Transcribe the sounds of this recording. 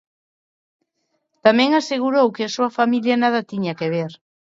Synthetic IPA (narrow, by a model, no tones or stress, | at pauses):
t̪amɛ̃ŋaseɣ̞uɾowkeasuɐfamiljɐnaðɐt̪iɲakeβ̞eɾ